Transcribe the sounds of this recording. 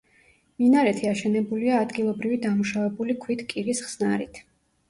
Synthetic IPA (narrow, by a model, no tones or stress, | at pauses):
minaɾɛt̪ʰiaʃɛnɛbuliaːd̪ɡilˠɔbɾivid̪amuʃavɛbulikʰwit̪ʰkʼiɾisχsnaɾit̪ʰ